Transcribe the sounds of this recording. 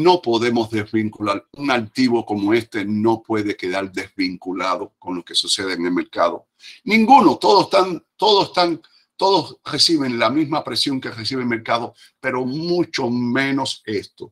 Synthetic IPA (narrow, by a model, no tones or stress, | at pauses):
no̞po̞ðe̞mo̞zðe̞zβiŋkulaɾuŋalt̪iβo̞ko̞moe̞st̪e̞no̞pwe̞ðe̞ke̞ðaɾd̪e̞zβiŋkulaðoko̞nloke̞suse̞ðeːŋelme̞ɾka̰ðo̰ | nĩŋɡunot̪oðost̪aŋt̪oðost̪aŋ | t̪o̞ðosre̞siβe̞ŋlamizmapɾe̞sjo̞ŋke̞resiβelme̞ɾkaðo | pe̞ɾo̞mut͡ʃomẽ̞no̞sest̪o̞